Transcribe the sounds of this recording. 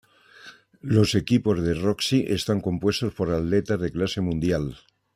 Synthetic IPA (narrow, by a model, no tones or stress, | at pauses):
lo̞se̞kipo̞zðe̞roksiʔe̞st̪aŋko̞mpwest̪o̞spo̞ɾalle̞t̪aðe̞klase̞mũnd̪jal